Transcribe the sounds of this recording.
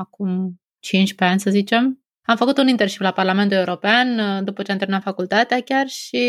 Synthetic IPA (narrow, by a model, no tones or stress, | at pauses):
akum | t͡ʃint͡ʃʲpe̞anʲsəzit͡ʃe̞m | amfəkut̪unint̪eʃiplaparlame̞nt̪̬uleuɾo̞peand̪upət͡ʃeant̪emnamfakult̪at̪eakʲarʃi